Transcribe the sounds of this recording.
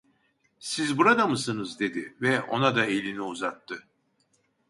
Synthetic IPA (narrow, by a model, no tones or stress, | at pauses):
sizbuɾad̪amɯsɯnɯzd̪e̞d̪ɪvɛʔo̞̰nad̪aelʲiniuzat̪ːɯ